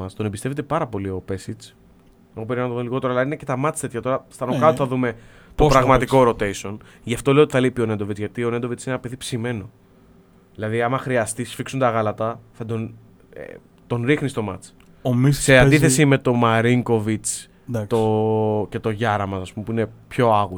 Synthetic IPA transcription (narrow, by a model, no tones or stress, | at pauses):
ɐst̪o̞nembist̪e̞vet̪̬e̞pɐɾɐpo̞lio̞pe̞sit͡s | eɣop̬eɾimenɐt̪oomliɣo̞t̪e̞ɾoalɐinece̞t̪ɐmɐt͡st̪e̞t̪çɐt̪o̞ɾɐst̪ɐnokɐot̪θɐðume̞ | t̪opɾɐɣmɐt̪iko̞ɾo̞t̪e̞jso̞n | ʝɐft̪o̞leot̪i̥θɐleipio̞nend̪o̞vit͡sʝɐt̪io̞nend̪ovit͡sinenɐpe̞ðipsime̞no̞ | ðilɐðiɐmɐxɾiɐst̪isfiksunt̪ɐɣɐlɐt̪ɐθɐd̪o̞n | ḛ | t̪o̞nɾixnist̪o̞mɐ̰t͡s | omiseɐnd̪iθe̞sime̞t̪o̞mɐɾiŋko̞vit͡s | t̪oce̞t̪o̞ʝɐɾɐmɐsɐspumepuine̞pço̞ɐɣu